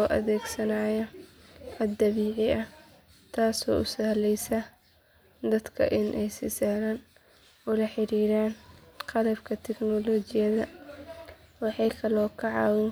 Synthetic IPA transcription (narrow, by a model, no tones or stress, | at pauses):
ɔːʔɐ̰ðɛːɡsɐnaːjɐ | ħɐd̪ɐβiːʕɪɐ | t̪ʰaːsɔ̰ːʔʊsɐhlɛjsɐ | d̪ɐd̪kʰɐ̰ʔɪnʔɛjsiːsaːɾan | ʊlɐħɪɾiːɾaːnqɑlɐbkʰɐt̪ʰɛɡnɔlɔːt͡ʃɪjɐðɐ | wɑħɑjkʰɐlɔːkʰɐʕɑːwɪn